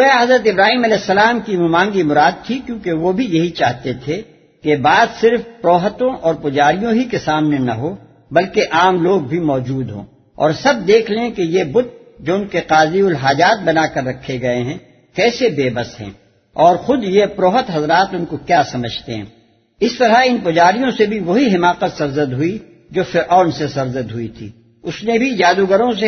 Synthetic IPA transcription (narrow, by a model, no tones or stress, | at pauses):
aɦɐzɾət̪ɪbɾaːɦiːmɐlɛːsːɐlaːmkimumãːŋɡimʊɾaːd̪̚t̪ʰikjõːkeʋobʱijɐɦit͡ʃaːɦt̪et̪ʰe | kebaːd̪sɪɾfpɾoːɦət̪õʔɔːɾpʊd͡ʒaːɾijõɦikesaːmnenɐɦo | bɐlkeʔaːmloːɡ̚bʱimɔːd͡ʒuːd̪ɦõ̰ː | ɔ̰ːɾsɐb̚d̪eːkʰleẽkejebʊt̪̚ | d͡ʒoːʊnkeqaːziʊlɦaːd͡ʒaːt̪̚bɐnakɐɾːɐkʰːeɡɐeɦɛ̃ː | kɛːsebeːbəsɦɛ̰̃ː | ɔːɾxʊd̪jepɾoːɦət̪ɦɐzɾaːt̪ʊnkokjaːsɐməd͡ʒʱt̪eɦɛ̰̃ː | ɪst̪ɐɾaɪnpʊd͡ʒaːɾijõsebʱiʋɐɦiɦɪmaːqət̪sɐɾzəd̪ɦʊi | d͡ʒoːfɪɾʔɔːnsesɐɾzəd̪ɦʊit̪ʰḭː | ʊsnebʱid͡ʒaːd̪uɡəɾõs̬e